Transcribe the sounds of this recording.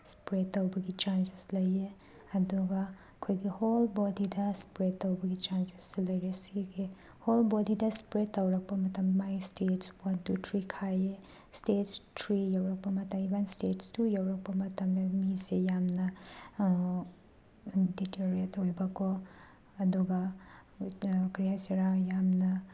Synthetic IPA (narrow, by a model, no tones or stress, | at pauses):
spɾetːɐwbɐɡit͡ʃanseslɐje | ɐduɡɐ | kʰojɡiholbɔdidɐspɾetːɐwbɐɡit͡ʃanse̥slɐjɾesiɡe | holbɔdidɐspɾetːɐwɾɐk̚pɐmɐtɐmːajstett͡ʃwɐntutʰɾikʰaje | stett͡ʃtʰɾijawɾɐk̚pɐmɐtɐmibanstetstujawɾɐk̚pɐmɐtɐmdɐmisejamnɐ | diklaɾetːowbɐkʰo | ɐduɡɐ | kɾijajsiɾajamnɐ